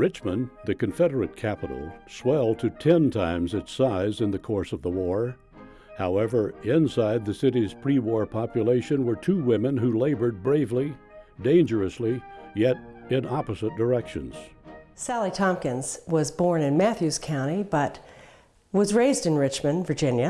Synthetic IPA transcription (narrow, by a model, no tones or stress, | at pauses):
ɹɪt͡ʃmə̃nðɨkɨ̃ɱfɛɾə˞ɨt̚kʰæpəɾl̩ˠswɛlˠd̚tʰɨtʰɛ̃ntʰãɪ̃mzɨtsaɪzɨ̃nðɨkʰɔɹsʌvðəwɔɹ | haʊɛvə˞ɪ̃nsaɪd̪̚ðɨsɪɾiz̥pʰɹ̥iwɔɹpʰɑpjɨleɪʃɨ̃nwə˞tʰʉwɪ̃mɨ̃nhuleɪbə˞d̚bɹeɪvli | dẽɪ̃nd͡ʒə˞ɨslijɛɾɪ̃nɑpəzɨt̚d̥ə˞ɛkʃɨ̰̃nz̥sælˠitʰɑ̃mkɨ̃nz̥wʌzbɔɹnɨ̃nmæθjʉz̥kʰãʊ̃ɾ̃ibʌt̚ | wʌzɹeɪzdɨ̃nɹɪt͡ʃmɨ̃nvə˞d͡ʒɪ̃njɨ